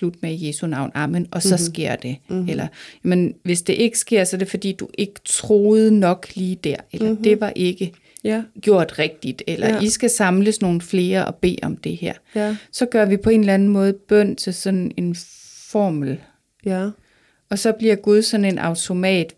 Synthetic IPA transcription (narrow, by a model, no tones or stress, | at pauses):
lud̥̚meje̝ːsunɑ̈ʊ̰nɑmənʔɒ̽sɒ̽sɡ̥e̝ɐ̰d̥e̝elɐjæmənʋe̝sd̥e̝ʔe̝ɡ̥ə̥sɡ̥e̝ɐ̰sɒɐɾ̥e̝fɒ̽d̥ḭːd̥uʔe̝ɡ̥ə̥t͡sʰʁo̝ːð̩ˠnɒ̽ɡ̥liːd̥æɐ̰elɐd̥e̝ʋɑ̈ʔe̝ɡ̥ə | ɡ̥jo̝ɐ̰d̥ʁɛɡ̥̚d̥id̥elʔɐisɡ̥æsɑ̈mləsno̝ːn̩fle̝ːɐʔɒ̽b̥e̝̰ːʔɒ̽md̥e̝hæɐ̰sɒ̽ɡ̥ɶɐʋipʰɒ̽e̝ːnlænn̩mɔ̽ːð̞̩ˠb̥œn̰t͡sʰe̝lsɒ̽ne̝n | fɒ̰ːml̩ | ɒ̽sɒ̽b̥liɐɡ̥uð̞ˠsɒ̽ne̝nʔɑ̈ʊt͡sʰo̝mɛ̰ːd̥